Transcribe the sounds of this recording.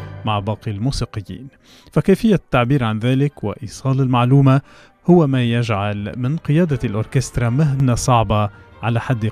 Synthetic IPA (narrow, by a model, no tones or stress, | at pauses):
maʕbɑːqilmuːsiːqɨjːḭːn | fakajfɪjːat̪ːaʕbiːɾʕanðaːlɪkwa̰ʔiːsˤɑːlɪlmaʕluːma | hʊwamaːjaʒʕalmɪnqɨjaːd̪alʔʊɾkɛst̪ɾˤɑmaɦnasˤɑʕbɑ | ʕalaħad̪ː